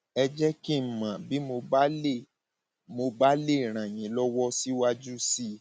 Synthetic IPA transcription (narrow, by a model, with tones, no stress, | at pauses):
ɛ˧d͡ʒɛ˦ki˦˨m̩˨mã˨bi˨˦mo˧ba˦le˦˨ | mo˧ba˦le˦˨ɾ̃ã˨j̃ĩ˨˦lɔ˦wɔ˦si˦wa˧d͡ʒu˦si˧